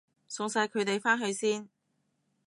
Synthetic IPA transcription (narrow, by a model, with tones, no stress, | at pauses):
sʊ˨˧ŋsɐ˧jkʰɵ˨˧ɥt̪e˨jfaː˥nɦɵ˧ɥsiː˥n